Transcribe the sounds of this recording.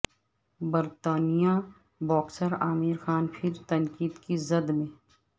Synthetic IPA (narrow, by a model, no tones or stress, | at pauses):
bɐɾt̪aːnija | bɔːksəɾaːmɪɾxaːnpʰɪɾt̪ɐnkiːd̪kizɐd̪mẽː